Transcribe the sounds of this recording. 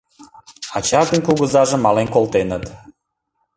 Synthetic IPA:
ɑt͡ɕɑrd̪ənkuɣəzɑʒə̆mːɑlenkolˠt̪enət̪

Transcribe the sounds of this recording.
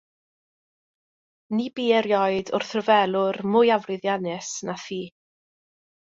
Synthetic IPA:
nibiːɛɾjɔɨdʊrθrəvɛlˠʊrmʊjavrɨðjanɨsnaθiː

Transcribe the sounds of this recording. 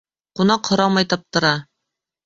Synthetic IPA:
qunɑqhŏɾɑmɑjt̪ɑp̚t̪ɤ̆ɾɑ

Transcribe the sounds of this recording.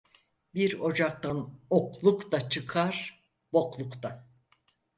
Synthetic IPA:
biɾo̞d͡ʒak̚t̪anoklˠukt̪at͡ʃʰɯkʰaɾ̥ | bo̞klˠukt̪a

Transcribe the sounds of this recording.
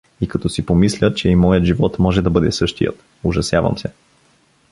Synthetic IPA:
ikɐt̪ɔsipomislʲət͡ʃɛimɔjət̪ʒivɔt̪mɔʒɛd̪ɐbɤd̪ɛsɤʃt̪ijə̰t̪ | ʊʒɐsjavɐ̰msɛ

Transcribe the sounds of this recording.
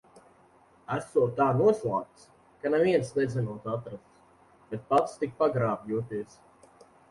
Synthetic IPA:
æsoːt̪aːnuɔslˠaːk̚t̪s | kanaviɛnsnɛzʲɨnuɔt̪at̪ɾast̪s | b̥et̪̚pat̪st̪ik̚paɡɾaːpjuːt̪iɛs

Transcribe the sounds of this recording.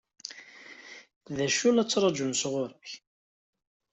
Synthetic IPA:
ðæʃulæt͡sːɾˤɑd͡ʒunsʁʊɾəç

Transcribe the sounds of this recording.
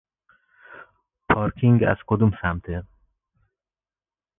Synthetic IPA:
pʰɒːɾkʰiŋɡæ̰z̥kʰod̪umsæmt̪ʰe

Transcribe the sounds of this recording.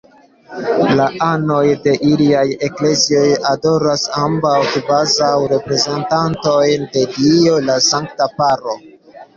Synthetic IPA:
laʔano̞jde̞ʔiliaje̞kle̞zio̞jado̞ɾasambawkivazawɾe̞pɾe̞ze̞ntanto̞jnde̞dio̞lasaŋktapaɾo̞

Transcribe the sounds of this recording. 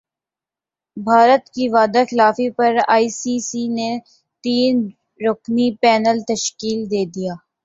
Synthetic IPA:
bʱaːɾət̪kiʋaːd̪axɪlaːfipɐɾa̰ːiːsiːsine | t̪iːn | ɾoknipɛːnəlt̪əʃkiːld̪eːd̪ijaː

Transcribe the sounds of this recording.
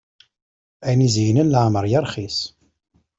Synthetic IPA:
æjnizjnənlʕməɾˤjəɾˤχis

